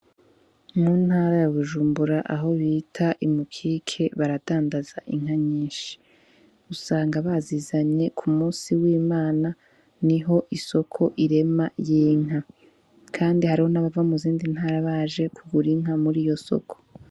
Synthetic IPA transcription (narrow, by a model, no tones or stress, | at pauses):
muːn̥haːɾajaβuʒuːmbuɾaʔaɦo̞βiːtʰaʔimukʰikʰe̞βaɾadaːndazaʔiŋ̥haɲiːʃi̥ | usaːŋɡaβazizaɲe̞kʰumuːsiwiːmaːna | niɦo̞ʔiso̞kʰo̞ʔiɾe̞majiːŋ̥a | kʰaːndihaɾiho̞naβavamuziːndin̥haːɾaβaːʒe̞kʰuɡuɾiŋ̥amuɾiːjo̞so̞̰kʰo